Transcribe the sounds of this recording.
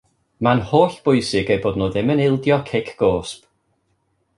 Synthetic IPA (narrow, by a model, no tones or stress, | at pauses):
manhoːɬb̥ʊɨsɪɡejboːdnoːðɪmənɪlˠdjɔkʰɪkʰɡ̥oːsp